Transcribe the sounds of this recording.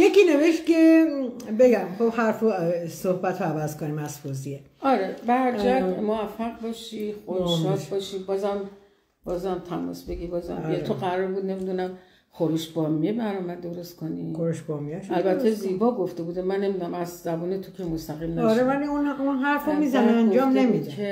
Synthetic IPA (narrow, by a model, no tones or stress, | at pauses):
jekʲiːne̞veʃt̪̚kʰe | beɡæmχobhæɾfosohbæt̪ʰoævæzkʰonimæzfozie | ɒɾebæɾd͡ʒæmoæfːæɣbɒːʃixoɾuʃɒd̪bɒːʃibɒːzæm | b̥ɒːzæmt̪ʰæmɒ̰sbe̞ɡibɒːzæ̰meoɣæɾɔɾbuːd̪̚ne̞mid̪unæm | xoɾuʃbɒːmiebæɾɒmæd̪oɾo̞st̪kʰonixoɾuʃbɒmieʃælbæt̪ʰːeziːbɒːɡo̞ft̪e̞buːd̪emænːemid̪unæmæzzæbuːnet̪ʰokʰemost̪æɣimnæɾevæliununɦæɾfomizæneænd͡ʒɒːmnemid̪ee